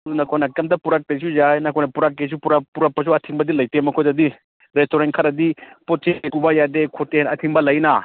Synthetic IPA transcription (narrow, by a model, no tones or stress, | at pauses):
dunɐkʰojnɐkɐmtɐpuɾak̚tejs̬uzajnɐkʰojnɐpuɾak̚tes̬upuɾapuɾapːɐs̬uɐtʰiŋbɐdilɐjtemɐkʰojdɐdi | ɾestoɾenkʰɐɾɐdipot̚t͡ʃekubajadekʰotenɐtʰiŋbɐlɐjna